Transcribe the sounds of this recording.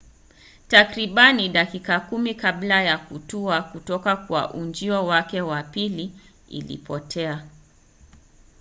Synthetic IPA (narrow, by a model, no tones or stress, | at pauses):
takɾiɓaniɗakikakumikaɓlajakutuakutɔkakwa̰ʔund͡ʒiɔwakɛwapili | ḭlḭpɔtʰɛa